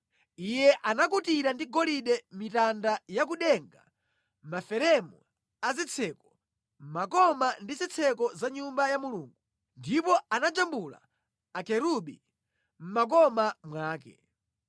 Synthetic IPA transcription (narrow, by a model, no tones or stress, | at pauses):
ijɛʔanak̬utiɾandiɡɔliɗɛmitandajak̬uɗɛŋɡa̰ | mafɛɾɛmu | azit͡sʰɛkɔ̥ | m̩makɔmandizit͡sʰɛkɔzaɲumbajamuluːŋɡu | ndipɔanad͡ʒambula̰ | akɛɾuɓḭ | m̩mak̬ɔmamwaːkɛ̰